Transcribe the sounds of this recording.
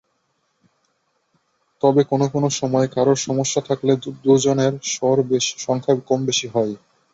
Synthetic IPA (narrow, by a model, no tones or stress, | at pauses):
t̪ɔbekonokonoʃɔmɔekaɾoɾʃɔmoʃːat̪ʰakled̪ud͡ʑoneɾʃɔɾbeʃi̥ʃɔŋkʰabkɔmbeʃiɦɔe